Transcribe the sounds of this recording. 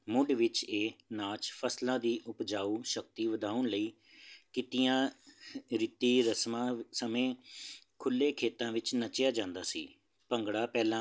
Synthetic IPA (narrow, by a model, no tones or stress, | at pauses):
mʊɖʋɪt͡ʃeːnãːt͡ʃpʰəslãːd̪iːʔʊpd͡ʒaːuːʃək̚t̪iːʋəd̪aːʊɳləiː | kɪt̪ɪjãː | ɾɪt̪iːɾəsmãːsəmẽː | kʰʊlːeːkʰeːt̪ãːʋɪt͡ʃnət͡ʃɪjaːd͡ʒãːnd̪aːsḭː | pəŋɡɽaːpɛːlãː